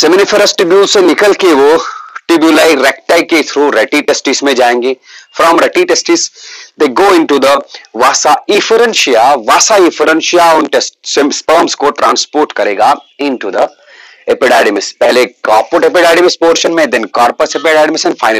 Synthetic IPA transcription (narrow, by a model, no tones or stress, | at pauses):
semɪnifəɾəsʈʈɪbjuːsenɪkəlkeʋoʈɪbjulaɪɾɛk̚ʈaɪket̪ʰɾuɾɛʈiʈesʈismẽd͡ʒaːẽːŋɡeːfɾɔːmɾɛʈiʈesʈisd̪eɡoːɪ̃ɳʈud̪əʋaːsaifəɾə̃nʃiaʋaːsaifəɾə̃nʃijaɔ̃nʈesʈsspəːmskoʈɾã̰ːnspoːɾʈkɐɾḛːɡaɪ̃nʈud̪ə | ɛpɪɖaːɖɪmɪspɛɦlekɔːɾpoʈepɪɖaːɖɪmɪspoːɾʃə̃nmẽd̪ɛ̃nkaːɾpəsepɛɖaːɖmɪsɛ̃nfaɪn